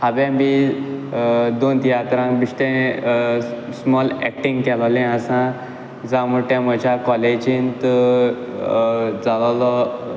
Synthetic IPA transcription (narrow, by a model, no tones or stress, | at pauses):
habɛ̃bi | d̪ont̪ijat̪ɾãkbiʂʈẽ | smɔlɛkʈĩŋɡkɛlalɛ̃əsã | d͡zãmuʈamət͡ɕakɔled͡ʑint̪ə | d͡zalalɔ